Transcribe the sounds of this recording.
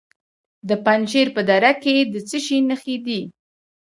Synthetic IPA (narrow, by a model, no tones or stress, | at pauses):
d̪əpanʃeɾpəd̪aɾaked̪ət͡səʃinəxed̪i